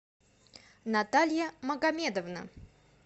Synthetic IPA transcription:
nat̪alʲjəməɡɐmʲed̪əvnə̰

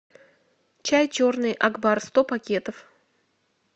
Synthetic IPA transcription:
t͡ɕajt͡ɕornɨjʔɐɡbarst̪opɐkʲe̞t̪əf

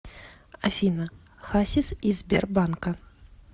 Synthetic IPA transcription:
ɐfʲinɐ | xasʲisizʲbʲɛ̰rbankɐ

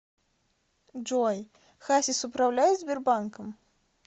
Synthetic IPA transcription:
d͡ʒɔj | xasʲisupɾawlʲajɛzʲbʲɛrbankɐm

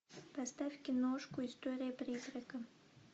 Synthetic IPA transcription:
pɐst̪afʲkʲɪnoʂkʊɪst̪oɾʲɪjəpɾʲizrʲəkə

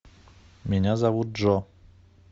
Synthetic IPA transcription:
mʲɛɲazavut̪̚ʐɔ

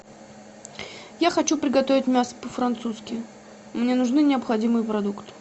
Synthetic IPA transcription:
jaxɐt͡ɕupɾʲɪɡɐt̪ovʲɪtʲmʲasə̥pəfɾɐnt̪suskʲɪ | mnʲenʊʐnɨnʲɪəpxɐdʲimɨjpɾɐd̪ukt̪

